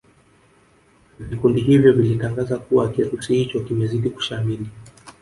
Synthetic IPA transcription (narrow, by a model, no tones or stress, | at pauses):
vikundiɦivjɔvilitaŋɡazakuwakiɾusihit͡ʃɔkimɛziɗiku̥ʃamili